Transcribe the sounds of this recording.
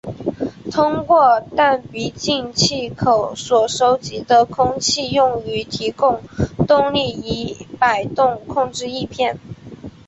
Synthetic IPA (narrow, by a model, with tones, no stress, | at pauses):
t̪ʰʊ˥ŋkwɔ˥˧t̪a˥˩npi˧˥t͡ɕi˥˧ŋt͡ɕʰi˥˩kʰo˨˩ʊswɔ˨˩ʂo˥ʊt͡ɕi˧˥d̪ə˧kʰʊ˥ŋt͡ɕʰi˥˧jʊ˥˩ŋy˧˥t̪ʰi˧˥kʊ˥˧ŋt̪ʊ˥˧ŋli˥˩i˧˥pa˨˩ɪt̪ʊ˥˧ŋkʰʊ˥˧ŋʈ͡ʂɻ̩˥˧i˥˧pʰjɛ˥˩n